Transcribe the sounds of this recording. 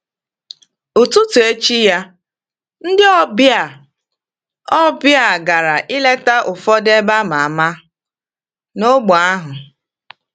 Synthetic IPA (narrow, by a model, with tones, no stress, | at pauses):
o˨tu˦tu˨e˦t͡ʃi˦ja˦ | n̩˦dɪ˦ɔ˦bja˨ | ɔ˦bja˨ɡa˨ɾa˨ʔɪ˦le˦ta˦ʔʊ˨fɔ˦de˦ba˦ma˨a˨ma˦ | no˦ɡ͡bɔ˨a˦ɦʊ˨